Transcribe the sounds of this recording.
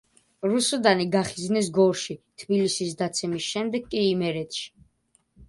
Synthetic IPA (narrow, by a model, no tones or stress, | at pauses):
ɾusɔd̪aniɡaχiznɛs̬ɡɔɾʃit̪ʰbilisisd̪at̪sʰɛmisʃɛmd̪ɛɡkʼːiːmɛɾɛt̪ʃi̥